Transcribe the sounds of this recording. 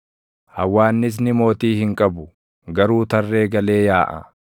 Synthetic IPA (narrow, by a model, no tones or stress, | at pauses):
hɐwːaːnːɪs̬nɪmo̞ːt̪iːhɪŋkʼɐbʊ | ɡɐɾuːt̪ɐrːe̞ːɡɐle̞ːjaːʔɐ̰